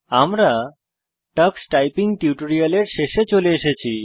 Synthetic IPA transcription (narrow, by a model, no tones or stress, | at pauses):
amɾa | ʈəksʈajpiŋʈiuʈoɾialeɾʃeʃet͡ɕoleeʃet͡ɕʰi